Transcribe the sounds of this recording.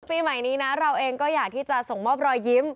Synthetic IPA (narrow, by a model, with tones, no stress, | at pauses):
piː˧ma˨˩jniː˦˥na˦˥ɾa˧wʔeː˧ŋkɔː˥˩jaː˨˩k̚t̪ʰiː˥˩t͡ɕa˨˩so˨˩ŋmɔː˥˩p̚ɾɔː˧jːi˦˥m